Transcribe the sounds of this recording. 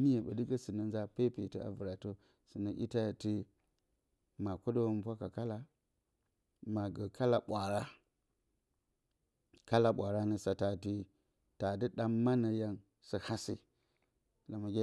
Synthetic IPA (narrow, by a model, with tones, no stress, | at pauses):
ni˦je˨ɓa̰˨di˦ɡə˦si˨na˨n˦za˦pe˦pi˨ti˦a̰˨vu˨ɾa˨to˦ | sɨ˨na˨ʔḭ˦ta˦˨ti˦ | ma˨ko˦do˦wm˦pʷa˦ka˨ka˦la˦ | ma˨ɡə˨ka˦la˨ɓʷa˨ɾa˦ | ka˦la˨ɓʷa˨ɾa˦nə˨sa˨ta˨ti˦ | ta˨di˦ɗaː˦a˦na˨ja˦n | sə˨ha˦sḭ˦ | la˨ma˨ɡʲe˦